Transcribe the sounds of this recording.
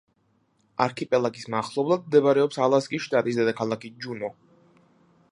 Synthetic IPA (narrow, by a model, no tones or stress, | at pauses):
aɾkʰipʼɛlˠakʼismaχlˠɔblˠad̪̚md̪ɛbaɾɛɔpsalˠaskʼisʃt̪ʼat̪ʼis̬d̪ɛd̪akʰalˠakid͡ʒunɔ